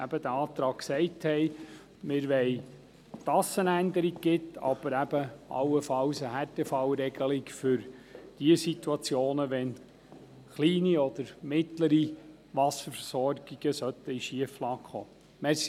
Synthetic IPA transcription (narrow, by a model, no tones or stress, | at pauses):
æb̥əd̪əɑːt̪ɾɑːkksɛɪthɛɪ | mɪɾʋɛɪ | t̪ɑsənænd̪əɾiɡ̚ɡɪt̪ɑ̰b̥əɾæb̥əʔɑ̰wːəfɑwsəhætɛfɑwɾɛɡ̥əlikfʏɾd̥iəsit̪wɑt͡sjoːnəʋɛn | χliːniɔd̪̥əɾmɪtləɾi | ʋɑsəfəsɔɾɡ̥iɡ̥əsœt̪ːəiʃiəflɑːkχo̰ː | mɛs